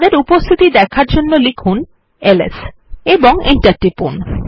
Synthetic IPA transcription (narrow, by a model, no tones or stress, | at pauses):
d̪eɾupost̪ʰit̪id̪ɛkʰaɾd͡ʑonːolikʰun | elḛseboŋḭɳʈaɾʈːipṵn